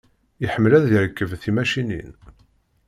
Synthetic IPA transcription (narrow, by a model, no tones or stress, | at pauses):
iħəmːlæðːiɾəkːəvθimæʃinḭn